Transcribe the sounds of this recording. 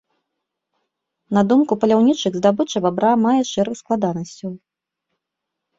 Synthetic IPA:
nɐd̪umkupɐlʲawnʲit͡ʂɨɣzd̪abɨt͡ʂɐbabɾamajɛʂɛɾɨxsklˠad̪anɐsʲt͡sʲɐw

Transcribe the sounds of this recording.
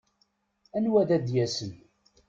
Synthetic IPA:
ænwæðæd̪jæsən

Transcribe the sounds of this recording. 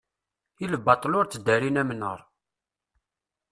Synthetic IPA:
iləbɑt̪ˤlʊɾt͡sːəd̪æɾinæmnə̰ɾˤ

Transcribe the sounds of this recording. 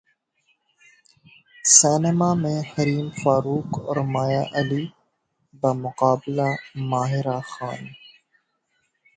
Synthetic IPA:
sɛːnemaːmẽhɐɾiːmfaːɾuːkɔ̰ːɾmaːjaʔɐliː | bɐmʊqaːbɪlamaːɦɪɾaxaːn

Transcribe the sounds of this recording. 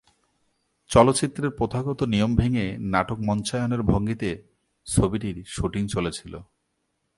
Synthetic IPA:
t͡ɕɔlot̪ːɕit̪ːɾeɾpɾot̪ʰaɡɔt̪onijombʱeŋenaʈok̚mɔnt͡ɕaeoneɾbʱoŋɡit̪e | t͡ɕʰobiʈiɾʃuʈiŋt͡ɕolet͡ɕʰilo̰

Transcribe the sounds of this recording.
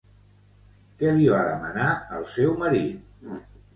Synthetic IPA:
kɛliβaðəmənaəlˠsɛwməɾit̪̚

